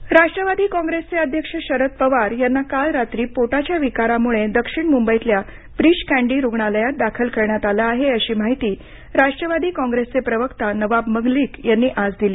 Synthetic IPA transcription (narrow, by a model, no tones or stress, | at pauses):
ɾaʂʈɾəʋad̪iːkɔ̃ŋɡɾest͡seəd̪ʱjəkʂəɕəɾət̪̚pəʋaɾjanːakalɾat̪ɾiːpoʈat͡ɕjaʋikaɾamuɭed̪əkʂiɳmumbəjt̪lja | pɾiɕkæ̃ɳɖiːɾuɡɳaləjat̪̚d̪akʰəlkəɾɳjat̪alaːɦeəɕiːmaɦit̪iː | ɾaʂʈɾəʋad̪iːkɔ̃ŋɡɾest͡sepɾəʋəkt̪anəʋabməŋɡliːkjanːiːʔad͡zd̪iliː